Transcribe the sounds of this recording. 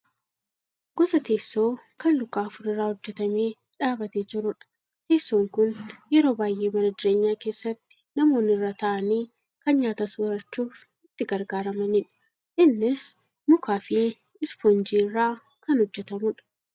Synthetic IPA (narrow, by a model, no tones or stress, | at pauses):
ɡ̥ɔsɐt̪e̞ːsːo̞ːkɐnlʊkːaːɐfʊɾɪrːaːhɔd͡ʒːɛt̪ɐme̞ː | ᶑaːbɐt̪eːd͡ʒɪɾʊᶑɐ̥ | t̪e̞ːsːoːŋkʊnjɛɾo̞ːbaːjʔe̞ːmɐnɐd͡ʒ̪ɪɾe̞ːɲːaːke̞ːsːɐt̪ːɪ̥nɐmo̞ːnɪrːaːt̪ɐʔɐniː | kɐnɲaːt̪ɐsʊːɾɐt͡ʃːuːf | ɪt̪ːɪɡɐɾɡaːɾɐmɐniːᶑɐ̥ | ʔɪnːɪs | mʊkaːfɪ | ɪsfɔnd͡ʒiːrːaː | kɐnhɔd͡ʒːɛt̪ɐmʊᶑɐ̥